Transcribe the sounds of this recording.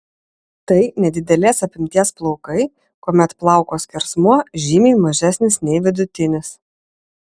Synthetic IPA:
t̪ɐɪnʲɛd̪ʲɪd̪ʲɛlʲeːsɐpʲɪmʲt̪ʲiɛsplˠɔʊkɐɪ | kuːmʲɛt̪plˠɑˑʊkoːsʲkʲɪɾsmuɔʒʲimʲiːmɐʒʲæsʲnʲɪsnʲɛɪʋʲɪd̪ʊt̪ʲɪnʲɪs

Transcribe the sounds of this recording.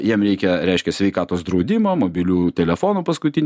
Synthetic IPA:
jiɛmɾʲɛɪkʲɛɾʲɛɪʃʲkʲɛsʲʋʲɛɪkɑːt̪oːsd̪ɾɒʊd̪ʲɪmoːmoːbʲɪlʲuːt̪ʲɛlʲɛfoːnoːpɐskʊt̪ʲɪnʲ

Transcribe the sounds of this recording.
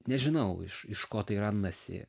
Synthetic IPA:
nʲɛʒʲɪnɐʊɪ̰ʃɪʃkoːt̪ɐɪɾɐnːɐsʲɪ̰

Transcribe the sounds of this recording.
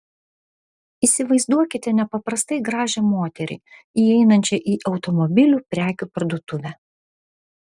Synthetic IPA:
iːˑsʲɪʋɐɪzd̪uɔkʲɪt̪ʲɛnʲɛpɐpɾɐst̪ɐɪɡɾɑːʒʲɛmoːt̪ʲɛɾʲɪ̰ | iːɛɪnɐnʲt͡ʃʲɛʔiːʔɒʊt̪ɔmɔbʲɪlʲuːpʲɾʲæːkʲuːpɐɾd̪uɔt̪ʊʋʲæː

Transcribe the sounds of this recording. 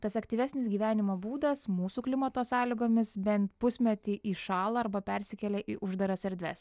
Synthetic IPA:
t̪ɐsɐkt̪ʲiːʋʲæsʲnʲɪsɡʲiːʋʲæːnʲɪmoːbuːd̪ɐsmuːsuːklʲɪmɐt̪oːsɑːlʲɪɡoːmʲɪsbʲɛnt̪̚pʊsʲmʲɛt̪ʲiːʔiːʃɑːlˠɐɐɾbɐpʲɛɾʲsʲɪkʲɛlʲɛʔiːʔʊʒd̪ɐɾɐsʲɛɾʲd̪ʲʋʲɛ̰s

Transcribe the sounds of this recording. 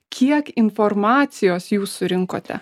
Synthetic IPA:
kʲʰiɛkɪnfoɾmɑːt̪sʲɪjoːsjuːsːʊɾʲɪŋko̰ːt̪ʲɛ̰

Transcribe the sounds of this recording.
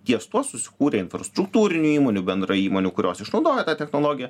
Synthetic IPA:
t̪ʲiɛst̪uɔsʊsʲɪ̥kuːɾʲeːɪnfɾɐst̪ɾʊkt̪uːɾʲɪnʲuːiːmoːnʲuːbʲɛnd̪ɾɐiːmoːnʲukʊɾʲoːsɪʃnɒʊd̪oːjɛt̪ɑːt̪ʲɛxnoːlˠoːɡʲɪjɛ

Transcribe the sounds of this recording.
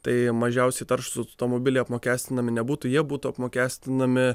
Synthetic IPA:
t̪ɐɪmɐʒʲɛʊsʲɛɪt̪ɐɾʃʊsʊt̪oːmoːbʲɪlʲɛɪɐpmoːkʲæːsʲt̪ʲɪnɐmʲɪnʲɛbuːt̪ujiɛbuːt̪uɐpmoːkʲæːsʲt̪ʲɪnɐmʲɪ

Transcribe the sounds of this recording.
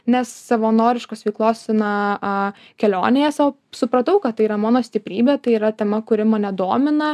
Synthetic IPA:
nʲɛsːɐʋɐnoːɾʲɪʃkoːsʋʲɛɪklˠoːsnɐʔɐ | kʲɛlʲo̰ːnʲeːjɛsoː | sʊpɾɐt̪ɐʊkɐt̪t̪ːɐɪiːɾɐmɑːnoːsʲt̪ʲɪpʲɾʲiːbʲeːt̪ɐɪiːɾɐt̪ʲɛmɐkʊɾʲɪmɐnʲɛd̪oːmʲɪnɐ

